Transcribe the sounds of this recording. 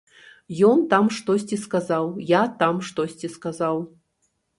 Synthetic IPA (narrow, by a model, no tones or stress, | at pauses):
jɔnt̪amʂt̪ɔsʲt͡sʲiskazawjat̪amʂt̪ɔsʲt͡sʲiskazaw